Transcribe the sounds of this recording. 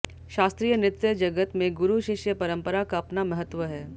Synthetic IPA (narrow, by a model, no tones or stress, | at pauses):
ʃaːst̪ɾiːjənɪt̪jəd͡ʒɐɡət̪mẽɡʊɾuʃɪʃjəpɐɾə̃mpəɾakaɐpnamɐɦət̪ːʋəɦɛː